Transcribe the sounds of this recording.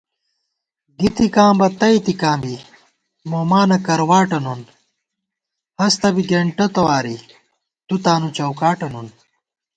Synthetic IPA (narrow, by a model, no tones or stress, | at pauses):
ɡit̪ikãːmbɐt̪ɐit̪ikãːmbi | moːmaːnɐkɐɾwaːʈɐnun | hɐst̪ɐbiɡeɳʈɐt̪ɐwaːɾi | t̪ut̪aːnut͡ɕɐwkaːʈɐnun